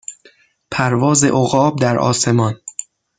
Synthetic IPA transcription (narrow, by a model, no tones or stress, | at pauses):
pʰæɾvɒːzḛʔoɣɒːb̚d̪æɾʔɒ̰ːse̞mɒːn